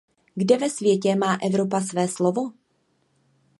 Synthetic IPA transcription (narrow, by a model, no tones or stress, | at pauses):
ɡdɛvɛsvjɛcɛmaːʔɛvɾo̞pas̬vɛːslovo̞